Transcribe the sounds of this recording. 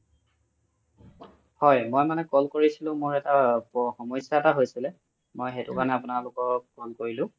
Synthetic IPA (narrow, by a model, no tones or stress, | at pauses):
hɔjmojmanɛkɔlkoɹisilʊ̃moɹɛtapɔxɔmɔjsjaɛtaɦojsilɛ | mojxetʊkanɛapʊnalʊkɔkɔlkoɹilʊ̃